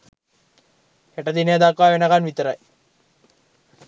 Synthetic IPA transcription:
heʈəd̪inəjəd̪akʋaːʋenəkanʋit̪əɾaj

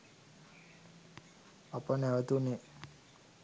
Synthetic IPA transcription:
apənæʋət̪une

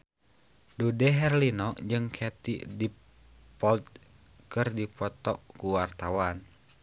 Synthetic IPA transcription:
dudɛɦɛrlinɔʔd͡ʒɨŋkʰɛt̪ḭdi | pɔlt̪̚ | kɨrdipɔt̪ɔʔkuwart̪awan

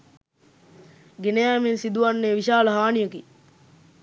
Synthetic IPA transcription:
ɡenejæːminsid̪uʋɐnːeːʋiʃaːlɐɦaːnijuki

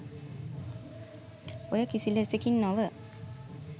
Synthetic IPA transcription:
ojəkisilesekinːɔʋə

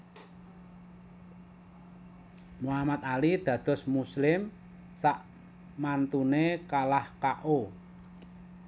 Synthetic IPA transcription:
muamat̪̚alid̪̥ä̤d̪̥ɔ̤smuslɪm | saʔ | mant̪unekalahkaʔo

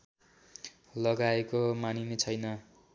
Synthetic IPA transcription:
lʌɡaekomaninet͡sʰʌjnʌ

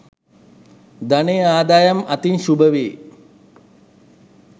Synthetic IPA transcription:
d̪aneaːd̪aːjɐmɐt̪inʃubəʋeː

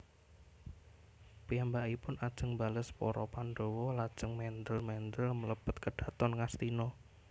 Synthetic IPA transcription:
piambaʔipʊnad̥ʒ̥əŋbaləspɔ̰ɾɔ̰panɖowɔlad̥ʒ̥əŋmɛnd̪əlmɛnd̪əlmələpət̪̚kəɖ̥ä̤t̪ɔnŋast̪inɔ

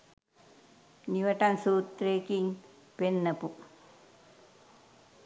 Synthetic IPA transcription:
niʋɐʈɐnsuːt̪ːɾeːkiŋ | penːɐpu

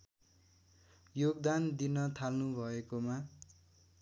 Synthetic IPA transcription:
joɡd̪and̪inʌt̪ʰalnubʱʌekoma

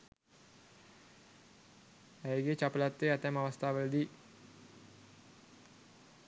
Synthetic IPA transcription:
æjɡet͡ʃapəlat̪ːʋeːat̪ɛmaʋɐst̪ʰaːʋələd̪iː

